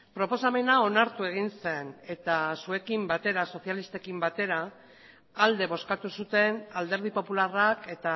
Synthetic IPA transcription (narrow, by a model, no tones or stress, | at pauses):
pɾo̞po̞same̞nao̞naɾt̪ue̞ɣ̞inse̞ne̞t̪asue̞kimbat̪e̞ɾaso̞θjalist̪e̞kimbat̪e̞ɾaː | ld̪e̞βo̞skat̪usut̪e̞nald̪e̞ɾβ̞ipo̞pularake̞t̪a